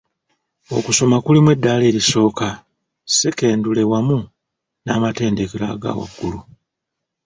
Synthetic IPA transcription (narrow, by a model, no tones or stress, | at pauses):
o̞kuso̞makulimwe̞dːale̞ːɾiso̞ːka | seke̞ːndule̞wamu | naːmate̞ːndekeɾa̰ɡa̰wa̰ɡːulu